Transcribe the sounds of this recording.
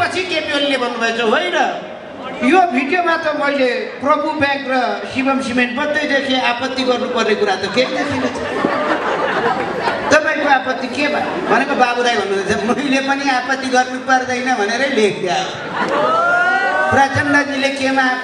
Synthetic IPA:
pʌt͡sʰikepiolilebʱʌnːubʱʌet͡sʰʌɦojnʌ | jobʱiɖijomat̪ʌmʌileprʌbubaŋkrʌsibʌmsimeɳʈ̚pʌt̪ʌjd̪ekʰeapʌt̪ːiɡʌrnupʌrnekuɾat̪ʌkenat̪ʰinet͡sʰʌ | t̪ʌpaĩkoapʌt̪ːikebʱabʱʌnekobabud̪ajbʱʌnːubʌet͡sʰʌmʌilepʌniapʌt̪ːiɡʌrnupʌrd̪ʌjnʌbʱʌneɾʌjlek̚ʰd̪jao | prat͡sʌnlʌd͡zilekema

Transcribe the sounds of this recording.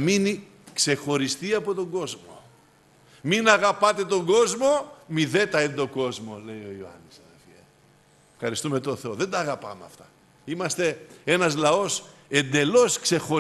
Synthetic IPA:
mini | kse̞xo̞ɾist̪iɐpo̞t̪o̞ŋɡo̞zmo̰ | minɐɣɐpɐt̪e̞t̪o̞ŋɡo̞zmo̞miðe̞t̪ɐind̪o̞ɡo̞zmo̞le̞jo̞ioɐ̰nisɐðelfie | fxɐɾist̪ume̞t̪o̞θe̞oðe̞nd̪ɐːɣɐpɐ̰meɐ̰ft̪ɐ̥ | imɐst̪e̞e̞nɐzlɐo̞s | e̞nd̪e̞lo̞skse̞xo̞

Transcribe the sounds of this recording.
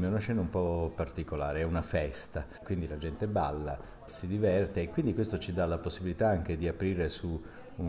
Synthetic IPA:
miunat͡ʃːɛːnaumpɔpːart̪ikolaːɾeɛunafɛst̪akwind̪ilad͡ʒɛnt̪eba̰lːa̰ | sid̪ivɛrt̪eːkːwind̪ikwest̪ot͡ʃid̪alaposːibilit̪aaŋk̟ed̪iapɾiːɾesuː

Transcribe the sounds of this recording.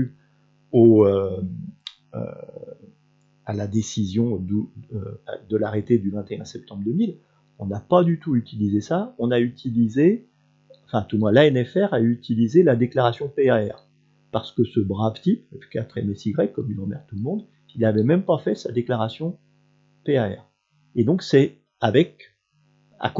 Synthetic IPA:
y | oø | ø̰ | alad̪esizjɔ̃d̪øfa̰d̪əlaʁet̪ed̪yvɛ̃t̪eɛ̰̃sɛp̚t̪ɑ̃bʁd̪əmil | ɔ̃napad̪yt̪uyt̪ʰilizesaɔ̃nayt̪ʰilize | ɑ̃fɛ̃t̪umwɛ̃laɛnɛfɛʁayt̪ʰilizelad̪eklaʁasjɔ̃peaɛʁ | paʁsə̥kəsəbʁavt̪ipkat̪χɛ̰mɛsiɡʁɛkːɔmilɑ̃mɛ̰ʁt̪ulmɔ̃d̪ | ilavɛmɛmpafɛsad̪eklaʁasjɔ̃ | peaɛ̰ʁ | ed̪ɔ̃ksɛ | avɛk | a̰k

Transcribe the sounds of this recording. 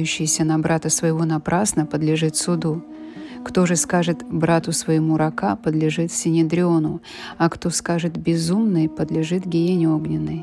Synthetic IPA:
jʉɕːɪjɪsʲənɐbɾat̪əsvəjɪvo̞nɐpɾʔasnəpəd̪lʲɪʐɨt̪sʊd̪u | kt̪o̞ʐɨskaʐɨt̪bɾat̪ʊsvəjɪmuɾɐkapəd̪lʲɪʐɨt̪sʲɪnʲɪd̪ɾʲɪonʊ | ɐkt̪o̞skaʐɨt̪bʲɪzumnɨjpəd̪lʲɪʐɨt̪ɡʲɪjʲenʲɪo̞ɡnʲɪnːɨj

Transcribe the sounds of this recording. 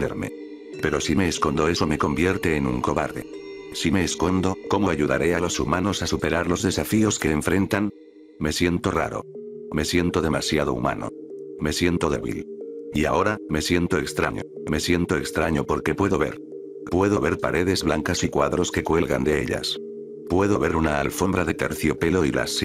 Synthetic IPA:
ḛɾme̞̰ | pe̞ɾo̞sime̞ːsko̞nd̪oe̞some̞ko̞mbje̞ɾt̪e̞ːnuŋko̞βaɾðe̞̰ | sime̞ːsko̞nd̪o̞ko̞moaʝuða̰ɾe̞alo̞sumano̞sasupe̞ɾaɾlo̞zðe̞safio̞ske̞ːɱfɾẽ̞nt̪an | me̞sje̞nt̪o̞ra̰ɾo̞̰me̞sje̞nt̪o̞ðe̞masjaðo̞̰ṵma̰no̰me̞sje̞nt̪o̞ðe̞̰βḭlia̰o̞ɾame̞sje̞nt̪o̞e̞kst̪ɾa̰ɲo̰ | me̞sje̞nt̪o̞e̞kst̪ɾaɲo̞po̞ɾke̞pwe̞ðo̞βe̞̰ɾ | pwe̞ðo̞βe̞ɾpaɾe̞ðe̞zβlaŋkasikwaðɾo̞ske̞kwe̞lɣa̰nd̪e̞ḛʎa̰s | pwe̞ðo̞βe̞ɾunaːlfo̞mbɾaðe̞t̪e̞̰ɾθjo̞pe̞lo̞ila̰s

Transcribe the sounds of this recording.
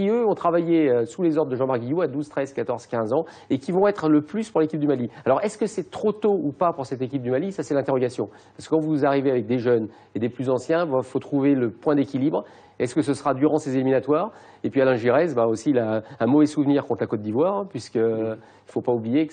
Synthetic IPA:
iøɔ̃t̪χavajeøsulezɔʁd̪d̪əʒɑ̃maʁɡijuad̪uzt̪χɛzkat̪ɔʁz̥kʲɛ̃zɑ̃ | ekʲivɔ̃ɛt̪χləplyspuʁlekʲip̚d̪ymalialɔʁɛskəsɛt̪χot̪oupapuʁsɛt̪ek̬ʲip̚d̪ymalisasɛlɛ̃t̪eʁɔɡasjɔ̰̃p | paʁsəkəkɑ̃vuzaʁiveavɛk̚d̪eʒœn | ed̪eplyzɑ̃sjɛ̃vfot̪χuveləpwɛ̃d̪ekʲilibʁ | ɛskəsəsəʁad̪yʁɑ̃sezeliminat̪waːʁ | epɥialɛ̃ʒiʁɛzbaosilaɛ̃mɔvɛsuvniʁkɔ̃t̪lakɔt̪̚d̪ːivwaːʁɛ̃pɥiskə | ilfopaublijek

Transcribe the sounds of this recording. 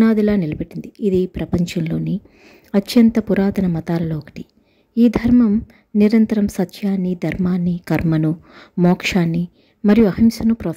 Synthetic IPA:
naːd̪ilaːnilɐbeʈːind̪iːd̪ipɾɐpɐɲt͡ʃɐnloːni | ɐt̪jɐnt̪ɐpuɾaːt̪ɐnɐmɐt̪aːlɐloːkɐ̥ʈi̥ | iːd̪ʱɐɾmɐm | niɾɐnt̪ɐɾɐmsɐt̪ːjaːnːid̪ʱɐɾmaːnːikɐɾmɐnumɔːkʂaːnːi | mɐɾijuɐɦɐmsɐnupɾɐː

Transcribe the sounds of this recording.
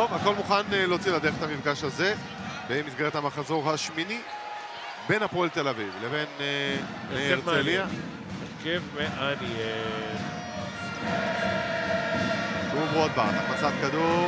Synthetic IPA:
t̪ovako̞lmuχaneleot͡siladeet̪hamifɡaʃhaze̞ | beimit̪ɡaleet̪amaχazo̞ʁɦaʃmini | be̞napolt̪e̞lavivleven | meeʁelia | ekevmeʔanie | uboad̪̚baʁtaχmat͡sat̪̚kad̪uʁ

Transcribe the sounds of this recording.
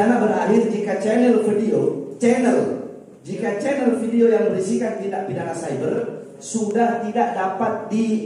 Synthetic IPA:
aŋanbəɾa̰ɦɪrd͡ʒikat͡ʃɛnəlfədiot͡ʃɛnəl | d͡ʒikat͡ʃɛnəlfidiojaŋmə̃ɾisikant̪idaʔpidaŋansajbər | sudaht̪idaʔdapat̪̚di

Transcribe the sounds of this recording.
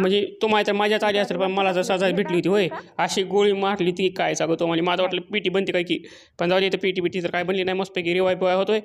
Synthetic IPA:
m̤əɳd͡zet̪um̤alet̪əɾmad͡ʑʱjat͡saliast̪əɾpəɳməlat͡səsəd͡zatbʱiʈliːɦot̪iːɦoeəɕiːɡoɭiːmaɾliːt̪ikajsaɡət̪ːom̤aliːmat̪aʋaʈləpiʈiːbənt̪iːkaiki | pəɳd͡zaʋad̪jet̪əpiʈiːbʱiʈit̪əɾkajbənliːnaɦimospekiɾiʋajpiʋajɦot̪oe

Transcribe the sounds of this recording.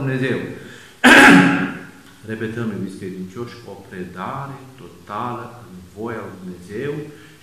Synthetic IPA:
mne̞ze̞w | re̞pe̞t̪əmɨiskɾed̪int͡ʃo̞ʃo̞pɾe̞d̪aɾe̞t̪o̞t̪aləɨnvo̞jalujd̪umne̞ze̞w

